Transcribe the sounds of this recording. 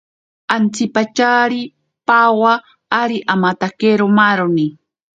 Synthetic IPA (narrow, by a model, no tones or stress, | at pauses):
ant͡sipat͡ʃaɾi | pawaː | ɾiʔamat̪akeɾomaɾoni